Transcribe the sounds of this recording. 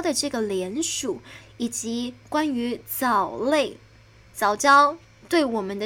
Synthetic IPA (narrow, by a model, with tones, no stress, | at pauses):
d̪ə˨ʈ͡ʂɤ˥˩ɡə˩ljɛ˧˥nʂu˨˩˦ | i˨˩t͡ɕi˧˥kwa˥ny˧˥t͡sɑ˨˩ʊle˥˩ɪ | t͡sɑ˨˩ʊt͡ɕjɑ˥ʊ | t̪we˥˩ɪwɔ˨˩mə˦nd̪ə˧